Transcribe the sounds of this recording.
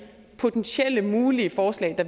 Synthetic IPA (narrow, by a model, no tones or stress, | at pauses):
pʰo̝t͡sʰenɕel̰əmuːliəfɒːslɛ̰ɪd̥ɑ̈